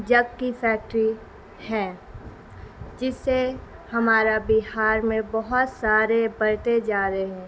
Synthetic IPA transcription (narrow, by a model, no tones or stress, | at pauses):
d͡ʒɐɡkifɛːk̚ʈɾi | hɛː | d͡ʒɪsːe | hɐmaːɾabɪɦaːɾmẽbɔɦʊt̪saːɾebɐɾt̪ed͡ʒaːɾeɦɛ̃ː